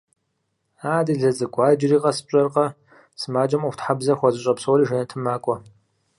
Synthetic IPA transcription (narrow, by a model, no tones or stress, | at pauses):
aːdɨɮɐzɨkʷʼɑːd͡ʒɪriːqɐsɨ̥pɕʼɐrqɐ | sɨmaːd͡ʒɐmuxtħabzɐxʷɔzɨɕʼɐpsowɾiːʒɐnɐtʰɨmaːkʷʼɔ